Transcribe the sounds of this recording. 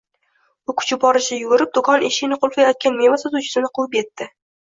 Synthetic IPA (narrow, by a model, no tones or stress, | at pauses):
ʊkʰʊ̥t͡ʃʰɪbbɒɾɪʃɪjʊɡʊɾɪp̚d̪ʊkʰɒneʃɪɡnɪqʰolˠfajɒt̪̚kʲanme̞vasat̪uwt͡ʃʰɪ̥sɪnɪqʊwˠɪpje̞t̪ːɪ